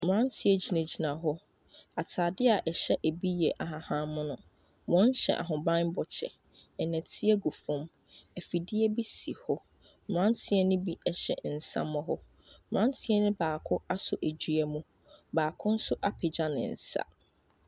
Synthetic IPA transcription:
m̩˨ɾã˦ntʰɪ˦ɛ˦d͡ʑi˨nã˨d͡ʑi˨nã˨ɦɔ˦ | a˨tʰaː˨dɪ˦a˨ʔɛ˨ɕɛ˦ʔæ˨bi˦jɛ˨ʔa˨ɦa˨hã˦mʊ̃˦nʊ̃˨ | wɔ̃˦n˦ɕɛ̰˨ʔa̰˨ɦʊ̃˨bã˦n˦bɔ˨t͡ɕʰɛ̰˨ | ɛ˨nɛ̃˨tʰɪ˦ɛ˦ɡu˨fʊ̃˦m | ɛ˨fi˨dɪ˦ɛ˦bi˦si˨hɔ˦ | m˨ɾã˦n˦tʰɪ˦ɛ˦nʊ̃˦bi˦ɛ˦ɕɛ̰˨n̩˨sã̰˦mʊ̃˦ɦɔ˦ | m˨ɾã˦n˦tʰɪ˦ɛ˦nʊ̃˦baː˨kʰʊ˦a˦sʊ˨ʔæ˨d͡ʑɥɛ˨mũ˦ | baː˨kʰʊ̃˦n̩˦sʊ˦ʔa˦pʰɪ˨d͡ʑã˦nɪ̰̃˨n̩˨sa̰˨

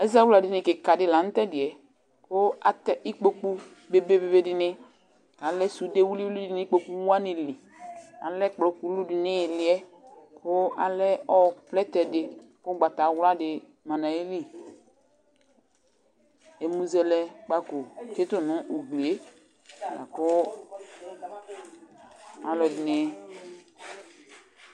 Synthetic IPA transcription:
ɛ˦za˦wu˦la˨dɪ˨nɪ˨kɪ˨ka˨dɪ˦la˨n̩˦t̪ɛ˦dɪ˨ɛ˨ | pʊ˦a˨tɛ˦ʔi˦k͡po˦k͡pu˦ | be˨be˦be˨˦be˦dɪ˨nɪ˦ | ka˨lɛ˦su˨˦de˦wu˦li˦wu˦li˦dɪ˨nɪ˦i˦k͡po˦k͡pu˦wa˦nɪ˨li˨ | a̰˨lɛ˦k͡plɔ˨ku˨˦lu˦dɪ˨nɪ˦˨lɪ˨ɛ˦ | pʊ˦a˨lɛ˦ɔ˦plɛ˦t̪ɛ˨dɪ˨pʊ˦ɡ͡ba˨ta˨˦wla˦dɪ˨ | mã˨nã˨e˦li˦ | e˨mũ˦zɛ˨lɛ˦k͡pa˦kʊ˨ke˦tʊ˦nʊ̃˨˦ʔu˨ɡli˨e˦˨ | la̰˨kʊ˦ | a˨lɔ˨dɪ˨nɪ˨ɛ˦

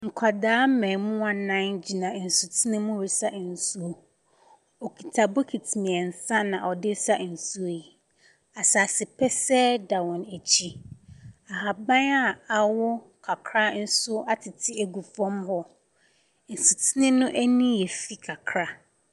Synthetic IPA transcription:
ŋ̩˨kʷʰa˨daː˦mɛ̃˨mũ˦a˨nã˦nd͡ʑi˨nã˨n̩˨su˨tʰɪ˦nɪ̃˦mʊ̃˦ɾi˨sa˦˨n̩˨su˦o˦ | ɔ˨kʰi˨tʰa˨bo˦kʰi˨tʰi˨mĩ˨ɛ˨n̩˨sã˦nã˨ʔɔ˨dɪ˦sa˦˨n̩˨su˦o˦ji˨ | a˨sa˨sɪ˨pʰɛ˦sɛː˦da˨wɔ̃˨næ˨t͡ɕʰi˦ | a˨ha˨bã˦na˦a˨wɔ˦ | kʰa˨kʰɾa˦n̩˦sʊ˦a˦tʰɪ˨tʰɪ˦æ˨ɡu˨fɔ̃˦mhɔ˨ | n̩˨su˨tʰɪ˦nɪ̃˦nʊ̃˦ʔæ˦nĩ˦jɛ˨fi˦kʰa˨kʰɾa˦

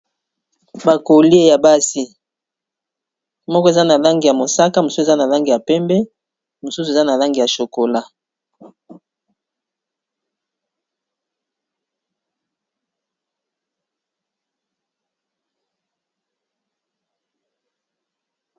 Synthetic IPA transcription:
ba˨ko˨li˦e˦ja˨ba˦si˦ | mɔ˦kɔ˦e˨za˦na˨la˦ŋɡi˨ja˨mo˨sa˦ka˦mo˨su˦e˨za˦na˨la˦ŋɡi˨ja˨pɛ˦mbɛ˦ | mo˨su˦˨e˨za˦na˨la˦ŋɡi˨ja˨ʃo˨ko˨la˦

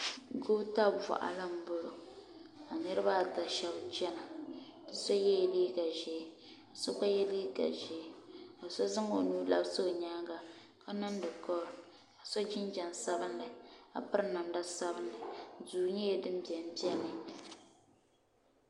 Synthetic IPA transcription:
ɡʊ˦bta˦bva̰˨ʔa̰˨la˦m̩˨bʊ˨lo˨ | a˨nɨ˦ɾɨ˦ba˦˨ta˨ʃɛ˨bd͡ʒɛ˦na˨dɨ˨sɔ˦jɛ˦jliː˦ɡa˨ʒɛː˨˦ | a˨so˦ka˦jɛ˦li˦ɡa̰˨ʒɛ˨˦a˨sɔ˦zɨ˦ŋo̰˨nu˦la̰˦bso˦˨ɲaː˦ɡa˨ | ka˦nɨ˦n˦dɨ˨kɔ˦ɾ | a˨sɔ˦t͡ʃɪ˦nd͡ʒɛ˨n˨sa˦bɨ˦nlɨ˨a̰˨pɨ˦ɾna˨mda˦sa˦bɨ˦ndɨ˨zuː˨ɲɛ˦˨dɨ˦m̩˦bɛ˨m̩˦bjɛ˦nɨ˨

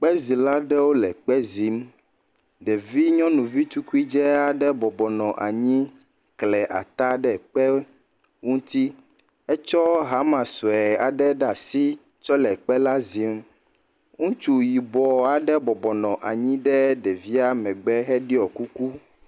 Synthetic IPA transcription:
k͡pɛ˦zi˨la˦ɖɛ˦wo˦lɛ˨k͡pɛ˦zi˦m | ɖɛ˨vi˦ɲɔ̃˦nũ˨vi˦t̪u˦ku˦i˦d͡ʒɛ˦a˨ɖɛ˦bɔ˨bɔ˨nɔ̃˨ʔa˨ɲĩ˦ | klɛ˨ʔa̰˨t̪a˦ɖɛ˦˨k͡pɛ˦ | ŋũ˦t̪i˦ | ɛ˦t͡ʃɔ˦ɦa˨˦mã˨sɔ˨ɛ˨a˨ɖɛ˦ɖa˨si˦ | t͡ʃɔ˦lɛ˨k͡pɛ˦la˦zi˨˦m | ŋũ˦t͡ʃu˨ji˨bɔ˨a˨ɖɛ˦bɔ˨bɔ˨nɔ̃˨ʔa˨ɲĩ˦ɖɛ˦ɖɛ˨vi˦a˦mɛ̃˨ɡ͡bɛ˦ɦɛ˦ɖi˦ɔ˨ku˦ku˦

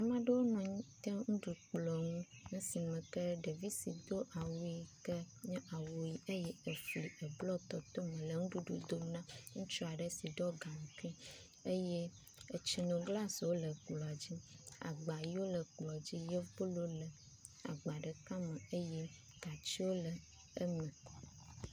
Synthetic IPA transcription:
a˨mã˦ɖe˦wo˦nɔ̃˨ɲĩ˦t̪ɛ˦ŋũ˦ɖu˨k͡plɔ˨ŋũ˦ŋũ˦si˨mɛ̃˨kɛ˦ɖe˨vi˦si˨d̪o˦ʔa˨wo˦i˦ke˦ɲɛ̃˦ʔa˨wo˨ji˦e˦jɛ˦e˨fli˨e˨blɔ˦t̪ɔ˨t̪o˦mẽ˨le˨ŋũ˦ɖu˦ɖu˨d̪o˦nã˦ŋũ˦t͡ʃu˦a˨ɖɛ˦si˨ɖɔ˦ɡa˨ŋ˨ki˦ | e˦jɛ˦ | e˨t͡ʃi˨nɔ̃˨ɡla˦swo˦lə˨k͡plɔ˨a˨d͡ʑi˦a̰˨ɡ͡ba˨ji˦wo˦lə˨k͡plɔ˨d͡ʑi˦jɛ˦bo˦lo˦lə˨ | a̰˨ɡ͡ba˨ɖə˨ka˦mɛ̃˨e˦jɛ˦ | ka˨t͡ɕi˦wo˦lə˨ | ɛ˦mɛ̃˨

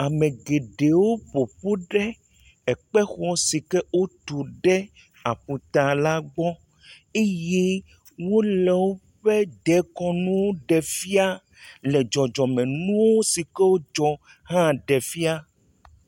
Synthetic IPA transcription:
a˨mẽ˨ɡe˨ɖe˨wo˦bo˨ɸu˦ɖɛ˦ | ɛ˨k͡pɛ˦xɔ˦si˨kɛ˦wo˦t̪u˨ɖɛ˦ | a˨ɸu˨t̪a˨la˦ɡ͡bɔ˦ | e˦je˦ | wo˦lɛ˨wo˦ | ɸe˦d̪ɛ˨˦kɔ˦nũ˦wo˦ɖɛ˨fi˦a˦ | le˨d͡ʒɔ˨d͡ʒɔ˨mẽ˨nũ˦wo˦si˨kɛ˦wo˦d͡ʒɔ˨ | hã˦ɖɛ˨fi˦a˦

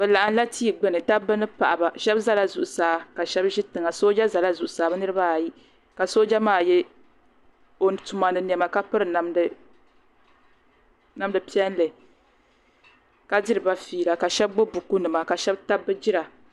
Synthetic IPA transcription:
bɛ˨la˨ʔa˨n˦la˦tiː˦˨ɡ͡bɛ˦nɨ˨ta˦bːɨ˦nɨ˦pa̰˨ʔa˨ba˨ʃɛ˦bza˦la˨zu˨ʔʊ˨saː˨˦ka˨ʃɛ˦bʒi˦tɨ˨ŋa˨so˦d͡ʒa˦za˨la˦zu˨ʔʊ˨saː˨˦bɨ˦nɨ˦ɾɨ˦ba˦a˨ji˦ | ka˨so˦d͡ʒa˦maː˦˨jɛ˦ | o˦n˨tu˨ma˨nɨ˨n˨ɛ˨ma˨ka˦pɨ˦ɾɨ˨na˨md | na˨˦mdɨ˨pi˦ɛ˦n˦lɨ˨ | ka˦di˦ɾɨ˨ba˦fiː˨la˨ka˨ʃɛ˦b̚ɡ͡bo˦bu˨ku˦nɨ˨ma˨ka˨ʃɛ˦bta˦bːɨ˦d͡ʒi˦ɾa˨

